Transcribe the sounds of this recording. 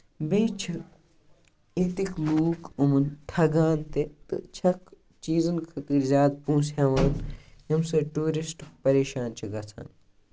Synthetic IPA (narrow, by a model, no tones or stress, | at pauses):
beːt͡ʃʰ | it̪ikluːkumɐnt̪ʰɐɡaːnt̪et̪ɨ̰t͡ʃʰɐk | t͡ʃiːzɐnkʰɐt̪iːɾzʲjaːd̪pũːsjaːʋaːnɦimsɐʈuːɾisʈkpɐɾeːʃaːnt͡ʃʰiɡɐt͡sʰa̰ːn